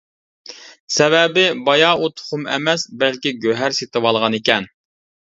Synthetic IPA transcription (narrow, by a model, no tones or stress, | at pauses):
sɛvɛbɪbɑjɑut̪ʰχʊmɛ̰mɛsbɛlkʲɪɡʲøɦæɾset̪ʰɨwɑlˠʁɑnekʲɛn